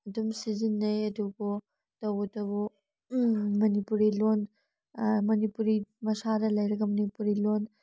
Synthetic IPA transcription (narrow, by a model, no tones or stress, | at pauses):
ɐdumsizinːɐjɐduɡo | tɐwtɐbu | mɐnipuɾilon | mɐnipuɾimɐsadɐlɐjɾɐɡɐmɐnipuɾilon